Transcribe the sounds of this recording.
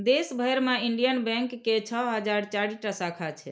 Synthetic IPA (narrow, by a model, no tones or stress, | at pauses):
d̪esbʱəjɾmeiɳɖijənbɛ̃ŋkːet͡ʃʰɔɦəd͡ʒaɾt͡ʃaɽiʈasakʰat͡ʃʰɛ